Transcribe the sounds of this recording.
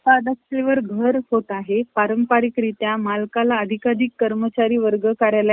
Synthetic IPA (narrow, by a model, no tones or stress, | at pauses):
ad̪əkʂeʋəɾɡʱəɾhot̪aɦepaɾəmpaɾikɾit̪jamalkalaəd̪ʱikad̪ikːəɾmət͡ɕaɾiːʋəɾɡəkaɾjala